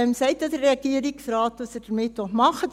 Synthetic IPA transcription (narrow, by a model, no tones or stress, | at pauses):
ɛmsɛɪtjɑd̥əɾːeɑɡiəɾɪksrɑːtːɑsəd̥əmɪtʋɔmɑχə